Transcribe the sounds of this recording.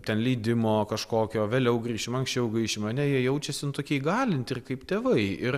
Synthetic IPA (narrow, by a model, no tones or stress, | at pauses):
t̪ʲɛnlʲiːd̪ʲɪmoːkɐʃkoːkʲoːʋʲeːlʲɛʊɡrʲiːʃʲɪmɐŋksʲt͡ʃʲɛʊɡɾʲiːʃʲɪmɐnʲɛjiɛjɛʊt͡ʃʲɛsʲɪnʊt̪oːkʲiɛɪɡɑːlʲɪnʲt̪ʲɪrkɐɪpt̪ʲeːʋɐɪɪr